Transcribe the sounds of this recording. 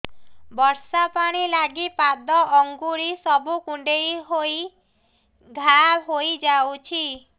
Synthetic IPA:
bɔɾsapaɽ̃ilaɡipad̪ɔʔɔŋɡuɾisɔbukuɳɖejɦoi | ɡʱabɦojd͡ʒawt͡ʃʰi

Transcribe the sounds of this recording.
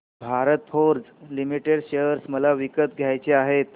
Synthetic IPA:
bʱaɾət̪fʰoɾd͡zlimiʈeɽɕeəɾsməlaʋikət̪̚ɡʱjajt͡ɕeaɦet̪̚

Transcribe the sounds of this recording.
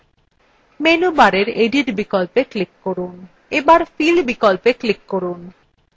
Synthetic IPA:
menubaɾeɾeɖiʈbikolpeklikːoɾun | ebaɾfilbikolpeklikːoɾun

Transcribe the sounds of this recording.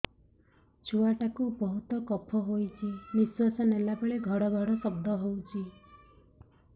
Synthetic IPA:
t͡ʃuaʈakubɔɦut̪ɔkɔpʰɔɦojt͡ʃʰimiswasɔnelapeɭeɡʱɔɽɔɡʱɔɽɔsɔbd̪ʱɔɦowt͡ʃʰi

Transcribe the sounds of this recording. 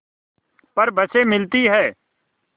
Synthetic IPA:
pəɾbəseːmɪlt̪iːɦɛː

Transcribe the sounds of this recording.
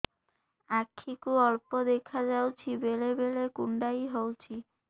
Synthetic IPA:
akʰːikuɔɭpod̪ekʰad͡ʒawt͡ɕʰibelebelekuɳɖajɦowt͡ɕʰi

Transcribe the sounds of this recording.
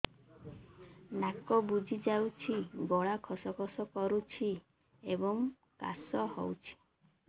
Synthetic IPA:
nakɔbud͡ʒʱid͡ʒawt͡ʃʰiɡɔɭakʰɔsɔkʰɔsɔkɔɾut͡ʃʰi | ebɔŋ | ka̰sɔhɔ̰wt͡ʃʰi̥

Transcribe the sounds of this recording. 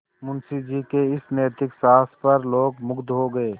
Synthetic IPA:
mʊnsid͡ʒiːkeɪsneːt̪ɪksaːspɐɾloːɡmʊɡd̪ɦoɡəeː

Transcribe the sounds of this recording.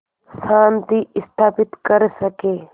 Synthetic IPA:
saːnt̪iɪst̪ʰaːpɪt̪kəɾsəkeː

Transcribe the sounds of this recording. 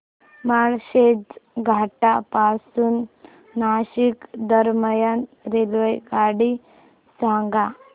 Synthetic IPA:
maɭɕed͡zɡʱaʈapasuːnː | aɕikd̪əɾməjanɾelʋəjɡaɽi | sãŋɡa

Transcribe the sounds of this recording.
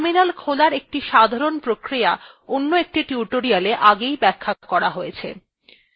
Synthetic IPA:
minalkʰolaɾek̚ʈiʃad̪ʱaɾonpɾokɾija | onːoek̚ʈiʈiuʈoɾialeʔaɡejbɛkʰːakɔɾaɦojet͡ɕʰḛ

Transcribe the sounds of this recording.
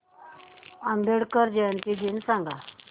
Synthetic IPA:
ambeɽkəɾd͡ʑɛnt̪id̪insãŋɡa

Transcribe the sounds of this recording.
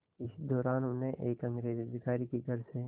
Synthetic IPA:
ɪsd̪ɔːɾaːnʊ̃nɦẽʔeːkɐ̃ŋɡɾeːzəd̪ɪkaːɾikiɡʱɐɾse

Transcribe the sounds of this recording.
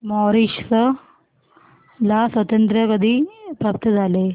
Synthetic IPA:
mɔɾiʂsə | lasʋət̪ənt̪ɾjəkəd̪ʱiːpɾap̚t̪əd͡zʱale

